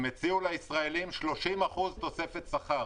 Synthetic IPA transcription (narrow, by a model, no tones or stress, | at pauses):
met͡siulaisʁaelimʃlo̞ʃimaχuzt̪o̞se̞fe̞t̪saχa